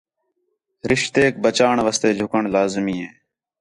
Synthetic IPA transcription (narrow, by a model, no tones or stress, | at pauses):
ɾɪʃt̪eːk̚bət͡ʃaːɳʋəst̪eːd͡ʒʱʊkəɳlaːzmiːɦẽː